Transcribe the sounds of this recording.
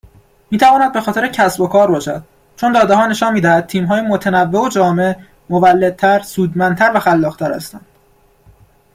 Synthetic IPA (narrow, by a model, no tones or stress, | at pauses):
miːt̪ʰævɒːnæd̪̚bexɒːt̪ʰeɾecʰæsbo̞kʰɒːɾbɒːʃæ̰d̪̥̚ | t͡ʃʰo̞nd̪ɒːd̪eɦɒːne̞ʃɒːnmiːd̪æhæd̪̚t̪ʰiːmɦɒːjemot̪ʰenævːeod͡ʒɒːme̞ | movælːe̞d̪̚t̪ʰæɾsuːd̪mænt̪ʰæɾvæxælːɒːɣt̪ʰæɾæ̰st̪ænd̪̥